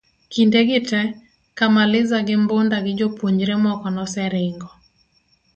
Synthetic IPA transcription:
kindeɡɪtɛ | kamalɪzaɡɪmbondaɡɪd͡ʒopwoɲd͡ʒɾemɔkɔnɔsɛɾeŋɡɔ

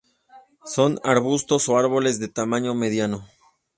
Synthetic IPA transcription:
so̞naɾβust̪o̞so̞aɾβo̞le̞zðe̞t̪amãɲo̞me̞ðjano̞

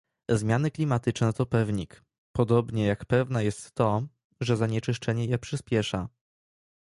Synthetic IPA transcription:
zmʲjanɘklʲimat̪ɘt͡ʂnɛt̪ɔpɛvɲik | pɔd̪ɔbɲɛjakpɛvnajɛst̪ːɔ | ʐɛzaɲɛt͡ʂɘʂt͡ʂɛɲɛjɛpʂɘspʲjɛʂa

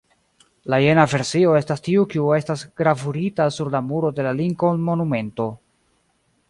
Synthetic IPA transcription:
laje̞nave̞ɾsio̞e̞stastiukiue̞stasɡ̥ɾavuɾitasuɾlamuɾo̞de̞laliŋko̞nmo̞nume̞nto̞

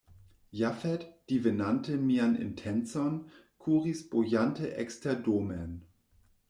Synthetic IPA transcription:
jafɛtd̥ivenantʰəmianɪ̰ntʰɛnt͡sɔn | kʰuːʁisb̥ojantəʔɛkstʰɛɐdoːmɛn

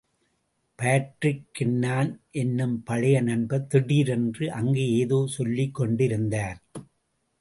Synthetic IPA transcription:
paːʈrɪkːɪnːaːnʔɛnːɯmpɐɭɐjɐnɐnbɐt̪ːɪɽiːɾɛndrɯʔɐŋɡeːeːðoːsɔlːɪkːɔɳɖɪɾɯnd̪aːn

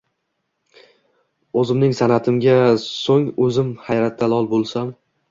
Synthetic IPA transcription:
ɵzɪmnɪŋsanat̪ʰɪmɡʲasoŋɵzɪmhajɾat̪̚ːalˠɒlˠbolˠsam

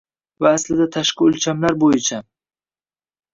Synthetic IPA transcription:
vaːslɪd̪at̪ʰaʃqɨʊlt͡ʃʰamlaɾbojɪt͡ʃʰa

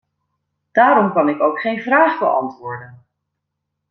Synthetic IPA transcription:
d̥aːɾɔmkɑnɪkowkχejnvraːχbəʔɑ̰ntʋʊːɹdən

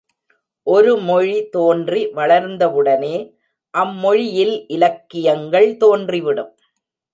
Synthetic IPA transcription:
ʔɔɾɯmɔɻit̪oːndriʋɐɭɐɾnd̪ɐʋɯɽɐneː | ʔɐmːɔɻɪjɪlʔɪlɐkːɪjɐŋɡɐɭt̪oːndriʋɪɽɯm

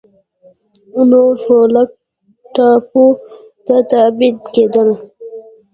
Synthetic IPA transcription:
unoʂoːlak̚ | ʈɑːpu | t̪at̪abit̪keːd̪əl

